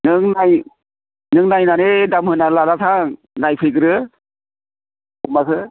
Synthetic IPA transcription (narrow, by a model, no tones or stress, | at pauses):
nɯŋnaj | nɯŋnajnanedamhɯnalaɾatʰa | najpʰɯjɡɯɾɯ | umakʰɯ